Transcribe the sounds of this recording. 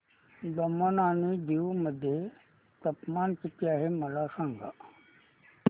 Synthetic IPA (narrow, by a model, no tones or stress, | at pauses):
d̪əmənaːnid̪iʋməd̪ʱje | t̪əpmaːnkit̪iaːɦeməlasãːŋɡa̰